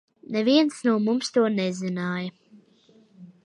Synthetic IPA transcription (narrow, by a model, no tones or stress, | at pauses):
nɛviɛnsnuɔmumst̪uɔnɛzinaːjɐ